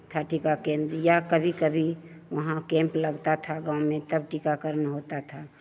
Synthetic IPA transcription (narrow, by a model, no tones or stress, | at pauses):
t̪ʰaʈikakẽnd̪ɾjakəbʱikəbʱiʋəɦãkẽmpləɡt̪at̪ʰaɡãũmẽt̪əbʈikakəɾnɦot̪at̪ʰa